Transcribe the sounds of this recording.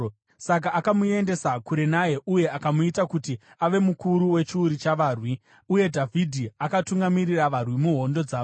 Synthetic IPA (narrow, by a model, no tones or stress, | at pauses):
sak̬aʔːkamue̞nde̞sakuɾe̞naje̞ʔuje̞ʔakamuitakuti | aʋe̞mukuɾuwe̞t͡ʃiuɾit͡ʃaʋaːrwi | uje̞dʱavʱidʱiakatuŋɡamiriraʋarwimuɦo̞ndo̞d͡zaː